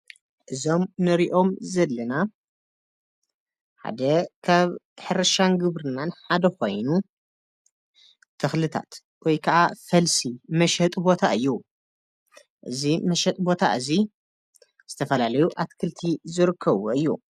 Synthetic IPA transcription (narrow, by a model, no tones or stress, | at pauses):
ʔɨzo̞mnɨɾiʔo̞mzɐlːɐna | ħa̰d̪ɐkʰaβ | ħɨɾɐʃanɡɨβɾɨnːanħad̪ɐko̞̰jnu | t̪ʰɨxlɨt̪ʰa̰t̪ | wɔjkʰɐʔafɐlsimɐʃɐt̪ʼbo̞t̪ʰaɨjːu | ʔɨ̰zimɐʃɐt̪ʼbo̞t̪ʰaʔɨzi | z̥ɨt̪ʰɐfɐlalɐjuʔat̪kʰɨlt̪ʰizɨɾɨkʰːɐβuʔɨjːṵ